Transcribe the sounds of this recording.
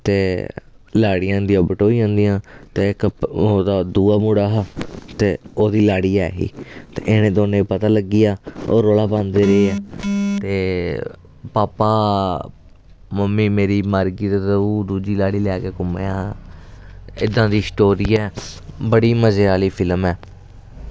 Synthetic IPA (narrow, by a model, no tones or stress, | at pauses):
t̪eː | laːɽiːjãːd̪iãːbəʈoːiːãːnd̪ijãːt̪eːɪkoːd̪aːd̪uːaːmuːɽaːɦat̪eːoːd̪iːlaːɽiːɛːɦḭːt̪ḛːʔɪnẽːd̪oːnẽːpət̪aːləɡiːaːo̰ːɾoːlaːpãːnd̪eːɾeeaːt̪eː | paːpaː | məmːiːmeːɾiːmaːɾɡiːt̪ːt̪əuːd̪uːd͡ʒiːlaːɽiːlɛːkeːkʊmḛːaː | ɪd̪ːãːd̪iːsʈoːɾiːɛːbəɽiːməzeːaːliːpʰɪlmɛː